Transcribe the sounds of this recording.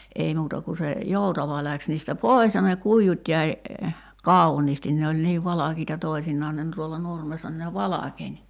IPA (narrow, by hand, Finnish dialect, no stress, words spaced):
ei muːtɑ ku se joˑutɑʋɑ læks niːstæ poˑi̞s jɑ ne kuijut jæi kɑˑuniːstin ne olʲ niːʋ ʋɑlɑkiːtɑ toisinːɑːn ne n tuolːɑ nurmesːɑ ni ne ʋɑlɑkenʲ